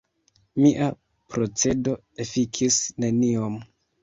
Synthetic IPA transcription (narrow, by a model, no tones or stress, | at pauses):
miʔa | pɾo̞t͡se̞do̞ | efikʰisne̞niom